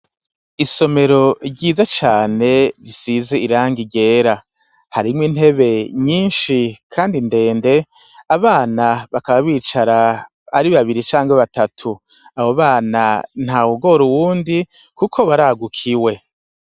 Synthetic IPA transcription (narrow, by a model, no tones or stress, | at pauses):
iso̞me̞ɾo̞ɟiːzat͡ʃaːne̞ɾisize̞iɾaːŋɡiɟe̞ːɾa | haɾimwin̥he̞βe̞ɲiːnʃikʰaːndinde̞ːnde̞aβaːnaβakaβaβiːt͡ʃaɾa | aɾiβaβiɾit͡ʃaːŋɡaβatatʰu | ahoβaːnan̥hawuɡo̞ɾuwuːndi | kukʰo̞βaɾaɡukʰiwe̞